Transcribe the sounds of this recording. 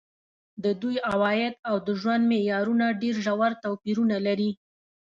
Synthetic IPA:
d̪əd̪ujawɑjɪd̪awd̪əʒwand̪mejɑɾunaɖeɾʒawaɾt̪awpiɾunalaɾi

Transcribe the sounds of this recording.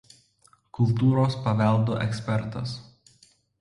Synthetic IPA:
kʊlˠˑt̪uːɾoːspɐʋʲɛˑlˠd̪oːʔɛksʲpʲɛɾt̪ɐ̰s

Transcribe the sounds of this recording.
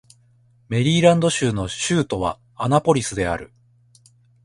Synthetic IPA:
me̞ɾʲiːɾãnd̪o̞ɕɨːno̞ɕɨːt̪o̞β̞a̰ː | napo̞ɾʲisɨd̪e̞a̰ɾɯ̟̰

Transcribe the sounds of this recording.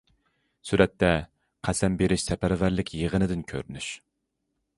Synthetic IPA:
syɾɛt̪ʰːɛ | qʰæsɛmbeɾɪʃsɛpæɾvæɾlɪkʲjəʁənɨd̪ɪnkʲʰø̰ɾnyʃ

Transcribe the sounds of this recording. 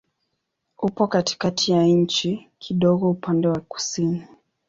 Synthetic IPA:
upɔkati̥katijaɲ̩t͡ʃikʰiɗɔɠɔupʰandɛwaku̥sini

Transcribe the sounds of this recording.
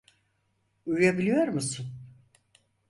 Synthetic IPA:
ujjabilʲijo̞ɾmusun

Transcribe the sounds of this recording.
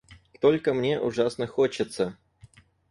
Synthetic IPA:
t̪olʲkəmnʲe̞ʔʊʐasnəxot͡ɕɪt̪sə

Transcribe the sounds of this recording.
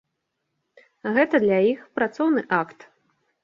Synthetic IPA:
ɣɛt̪ɐd̪lʲajixpɾat̪sɔwnɨʔakt̪

